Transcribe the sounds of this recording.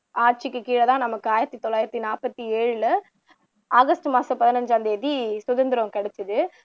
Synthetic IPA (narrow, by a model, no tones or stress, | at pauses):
aːʈ̚t͡ʃɪkːɯkiːɽɐt̪ãːnɐmɐkːɯaːjɪɾɐt̪ːit̪ɔlːaːjɪɾɐt̪ːinaːpɐt̪ːieːɻɯlɐ | aːɣɐsʈɯmaːsɐpɐðɪnɐɲd͡ʒɐnd̪ɐɛðisʊðɐnd̪ɪɾɐ̃kɐɽɛt͡ʃːɐðɯ